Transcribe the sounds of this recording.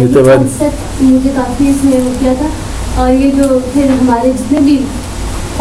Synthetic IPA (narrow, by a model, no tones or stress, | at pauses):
et̪eʋasɐt̪ | mʊd͡ʒʱekaːfiɪsmẽokijat̪ʰa | ɔːɾjed͡ʒoːpʰɪɾɦɐmaːɾed͡ʒɪt̪nẽbʱi